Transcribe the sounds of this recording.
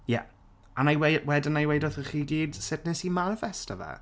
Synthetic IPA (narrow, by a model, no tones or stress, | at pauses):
jɛ̰ | anajwewɛdɪnajwejdɔθəχiːɡiːd̥sɪtnɪsimanɪfɛstʰəvɛ̰